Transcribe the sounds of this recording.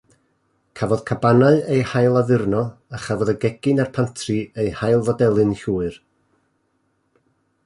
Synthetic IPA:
kʰavɔð̥kʰabanaɨejhajlˠaðɪrnɔaχavɔðəɡɛɡ̥ɪnarpʰantʰriejhajlˠvɔdɛlˠɨnɬuːɨr

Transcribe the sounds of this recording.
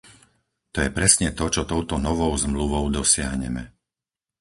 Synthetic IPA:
t̪ɔjɛpɾɛsɲɛt̪ɔt͡ʃɔt̪ɔʊt̪ɔnɔʋɔʊzmluʋɔʊd̪ɔsɪaɦɲɛ̰mɛ̰

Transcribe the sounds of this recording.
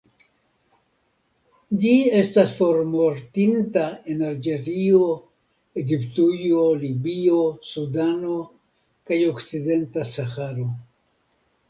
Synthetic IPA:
d͡ʒie̞stasfo̞ɾmo̞ɾtintae̞nald͡ʒe̞ɾio̞ | e̞ɡiptujo̞libio̞sudano̞ | kajo̞kt͡side̞ntasaxaɾo̞

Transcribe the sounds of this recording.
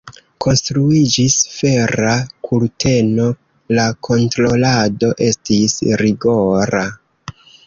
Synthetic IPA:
kʰo̞nstɾuid͡ʒisfe̞ɾakʰulte̞no̞ | lakʰo̞ntɾo̞lado̞ʔe̞stisɾiɡo̞ɾa

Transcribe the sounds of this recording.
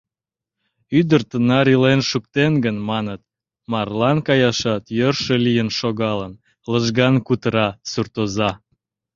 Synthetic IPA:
yd̪ərt̪ənɑɾilenʃukt̪enɡənmɑnət̪̚ | mɑrlɑnkɑjɑʃɑt̪jørʃəlijənʃoɣɑlən | ləʒɣɑnkut̪əɾɑsurt̪ozɑ

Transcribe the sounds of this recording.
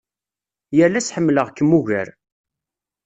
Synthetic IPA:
jəlːæsħəmːləʁkːəmːuʝæɾ

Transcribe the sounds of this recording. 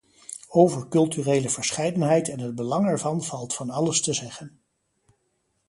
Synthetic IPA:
owvəɹkɵlˠtyrejləvəɹsχɛjdənɦɛjtɛnɦəd̚bəlɑŋɛɹvɑnvɑlˠtfɑnɑləstəzɛχən

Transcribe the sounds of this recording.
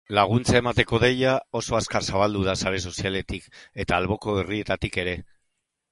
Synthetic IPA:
laɣ̞unt͡sae̞mat̪e̞ko̞ðe̞jao̞so̞askaɾsaβald̪uð̞asaɾe̞so̞siale̞t̪ike̞t̪aːlβ̞o̞ko̞eriet̪at̪ike̞ɾe̞

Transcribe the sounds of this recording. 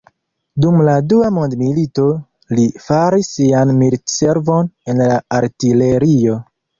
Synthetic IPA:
dumladuamo̞ndmilito̞ | lifaɾisːianmilse̞ɾvo̞ne̞nlaːɾtile̞ɾio̞

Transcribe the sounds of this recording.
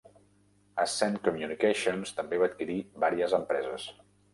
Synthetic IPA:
əsɛnkumjunikeʃonst̪əmbeβaːt̪kiɾiβaɾiəzəmpɾɛzəs

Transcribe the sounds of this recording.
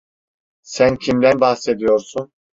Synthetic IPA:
sæncʰimd̪ænbahse̞d̪ijo̞ɾsun

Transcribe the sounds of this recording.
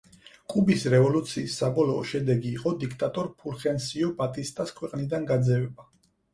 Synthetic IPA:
kʼubisɾɛvɔlut̪sʰiːsːabɔlɔ̰ːʃɛd̪ɛɡiːqʼɔd̪ikʰt̪ʼat̪ʼɔɾpʰuɾχɛnsiɔbat̪ʼist̪ʼaskʰwɛqʼnid̪anɡad̪zɛvɛba

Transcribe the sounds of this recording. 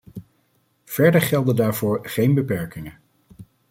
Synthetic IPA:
v̥ɛɹdəɹχɛlˠdədaːɹvʊːɹχejnbəpɛɹkɪŋən

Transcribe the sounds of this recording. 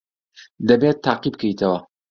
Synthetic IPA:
d̪ɐbet̪ʰːaːqibkʰɐjt̪ʰɐwɐ

